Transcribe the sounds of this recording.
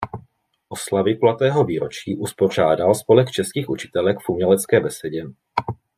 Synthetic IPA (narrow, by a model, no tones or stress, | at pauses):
ʔo̞slavɪplat̪ɛːɦo̞viːɾot͡ʃiːʔuspo̞r̝aːdalspo̞lɛkt͡ʃɛskiːxʔut͡ʃɪ̥t̪ɛlɛkfʔumɲɛlɛt͡skɛːbɛsɛɟɛ